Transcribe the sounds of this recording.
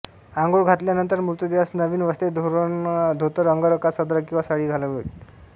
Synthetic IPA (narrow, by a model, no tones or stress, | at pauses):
aŋɡoɭɡʱat̪ljanənt̪əɾmut̪əd̪iʋəsnəʋiːnʋəst̪ed̪ʱoɾd̪ʱot̪əɾəŋɡəɾəkasəd̪ɾəkĩwʋasaɽiːɡʱaləɡojt̪